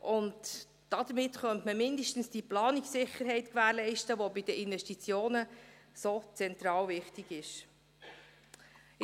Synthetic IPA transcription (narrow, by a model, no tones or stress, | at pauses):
ʔʊnd | d̥ɑd̥̪əmɪtχœntməmɪndəʃtn̩sd̥iplɑːniksɪχəɾɦɛɪtkʋæːɾlɛɪʃtəʋobɪdəʔɪnvɛʃtit͡sjoːnəsot͡sɛntɾɑːlvɪχtiɡɪʃ